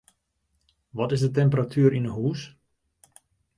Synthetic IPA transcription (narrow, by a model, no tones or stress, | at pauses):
ʋɔtɪsdətɛmpəratʰyːɾinəɦuːs